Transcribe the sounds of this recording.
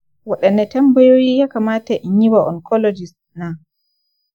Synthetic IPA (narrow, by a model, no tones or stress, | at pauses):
waɗɛnːɛtɛmbɔjoːjijakamaːtaʔiɲiwaʔɔ̰nkʰɔlɔd͡ʒis | na